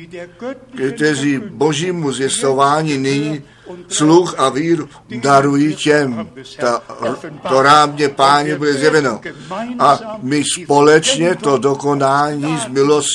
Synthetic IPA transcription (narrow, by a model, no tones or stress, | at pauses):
kɛt̪ɛzibo̞ʒiːmuzjɛst̪ovaːɲinɪɲi | sluxaviːɾu | daɾujicɛmt̪a | t̪oɾaːmɲɛpaːɲɛbudɛzjɛvɛnoʔamɪspo̞lɛt͡ʃɲɛt̪o̞do̞ko̞naːɲiːzmɪlos